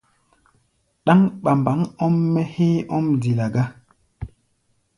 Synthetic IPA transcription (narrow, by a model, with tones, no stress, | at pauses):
ɗa˦ŋɓa˨mba˨˦ŋɔ˦mːɛ˦he˦ɔ˦mdi˨la˨ɡa˦